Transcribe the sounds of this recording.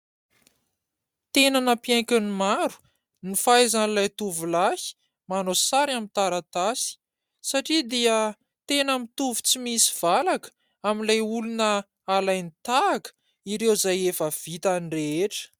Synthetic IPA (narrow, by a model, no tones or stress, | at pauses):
t̪enanəpjaj̃kʲanimaɾu̥ | nifajzanlajt̪uvulahi̥ | manosaɾamint̪aɾat̪asi̥ | saʈ͡ʂid̪iə | t̪enəmit̪uvu̥t͡simisi̥v̥alakə̥ | aminlajulunə | alajnit̪aːkə̥ | iɾewzajefəv̥it̪anireeʈ͡ʂə̥